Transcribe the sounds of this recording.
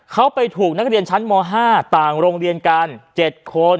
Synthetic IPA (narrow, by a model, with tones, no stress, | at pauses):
kʰa˦˥wpa˧jt̪ʰuː˨˩k̚na˦˥k̚ɾi˧ənt͡ɕʰa˦˥nmɔː˧ɦaː˥˩t̪aː˨˩ŋɾoː˧ŋɾi˧ənka˧nt͡ɕe˨˩t̪̚kʰo˧n